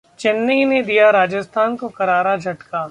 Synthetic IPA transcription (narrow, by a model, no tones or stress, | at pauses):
t͡ʃɪnːəined̪ijaɾaːd͡ʒəst̪ʰaːnkokɐɾaːɾad͡ʒʱɐʈka